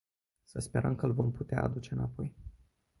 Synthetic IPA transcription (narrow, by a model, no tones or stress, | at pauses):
səspe̞ɾəmkəɨlvo̞mput̪ea̰ad̪ut͡ʃe̞ɨnapo̞j